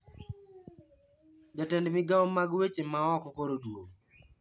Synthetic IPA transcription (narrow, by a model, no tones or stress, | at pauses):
d͡ʒatɛndmɪɡawɔmaɡwet͡ʃemaɔkɔkoɾodwo